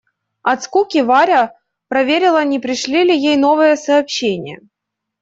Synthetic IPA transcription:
ɐt̪skukʲɪvaɾʲə | pɾɐvʲeɾʲɪlˠənʲɪpɾʲɪʂlʲilʲɪjejno̞vɨjəsɐːpɕːenʲɪjə̰

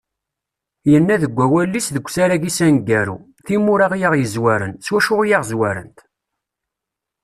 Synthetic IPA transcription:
jənːæðəɡʷːæwælːisðəɡʷːsaɾæʝisænɡːæɾṵ | θimʊɾaʁjaʁjəzwæɾə̰nswæʃʊʁjaʁzwæɾə̰nt̪

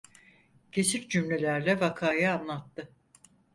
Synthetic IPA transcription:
cʰe̞siɾd͡ʒymlʲe̞lʲæɾlʲɛvakʰaːjaanlˠat̪ːɯ

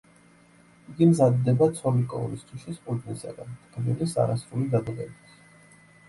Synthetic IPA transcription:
iɡimzad̪ːɛbat̪sʰɔlikʼɔ̰ṵnist̪ʰwiʃispʼult̪ʼnisa̰ɡa̰nt̪ʰʼkʰʼb̪ilisa̰ɾasɾulid̪ad̪ʁɛbit̪ʰ

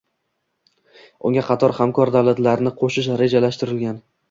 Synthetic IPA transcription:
ʊŋɡʲaqʰɑt̪ʰɒɾhamkʰɒɾd̪awlat̪laɾnɪqʰoʃɪʃɾe̞d͡ʒalaʃt̪ɪɾɪlɡʲan

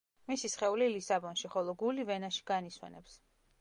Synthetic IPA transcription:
misisχɛulilisabɔnʃiχɔlˠɔɡulivɛnaʃi̥ɡaniswɛ̰nɛps

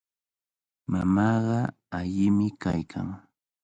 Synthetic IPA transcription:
mamɑːɢɑ | aʎɪmɪka̰jkʰa̰ŋ

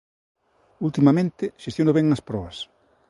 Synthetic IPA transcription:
ult̪imɐmẽnt̪ɪʃest̪jonoβɛŋɐspɾɔβɐs

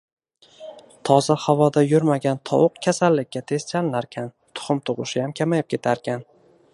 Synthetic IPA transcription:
t̪ʰɒzahavɒd̪ajʊɾmaɡʲant̪ʰɒ̰wʊqkʲʰasalːɪkʲːat̪ʰe̞st͡ʃʰanlaɾkʲʰan | t̪ʰʊ̥χʊmt̪ʰʊʁʊ̰ʃɪjamkʲʰamajɪp̚kʲʰe̞t̪ʰaɾkʲan

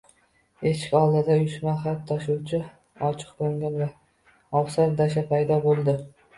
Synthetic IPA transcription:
eʃkʲɒlˠd̪ɪd̪ajʊʃmaχap̚t̪ʰɒʃʊwt͡ʃʰɪ | ɒt͡ʃʰɨ̥qboŋɡʲanva | ɒwsaɾd̪aʃ̬apʰajd̪ɒbolˠd̪ɪ

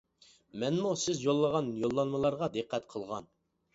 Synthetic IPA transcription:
mɛnmusɪzjolˠːəʁɑnjolˠːɑnmɨlˠɑɾʁɑd̪eqʰːɛt̪qʰəlˠʁɑ̰n

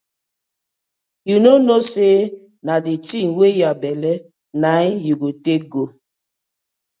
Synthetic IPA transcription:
junonoseː | naditiŋwejabɛlɛ | najuɡoteɡo

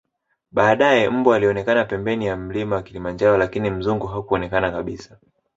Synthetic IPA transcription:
ɓaːɗajɛm̩bualiɔnɛkanapɛmbɛnijam̩limawakilimand͡ʒaɾɔlakinim̩zuŋɡuɦakuɔnɛkanakaɓisḁ

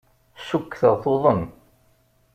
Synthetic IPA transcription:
sukːθəʁθoðˤən

